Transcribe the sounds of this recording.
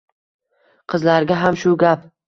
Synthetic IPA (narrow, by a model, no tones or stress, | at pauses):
qʰɨzlaɾɡʲaɦamʃʊɡʲap